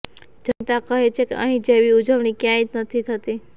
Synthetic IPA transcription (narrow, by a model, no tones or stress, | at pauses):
d͡ʒənt̪akəɦet͡ʃʰekḛə̰ɦĩd͡ʒeʋiud͡ʒəʋɳ̃ikjãit̪nət̪ʰit̪ʰət̪i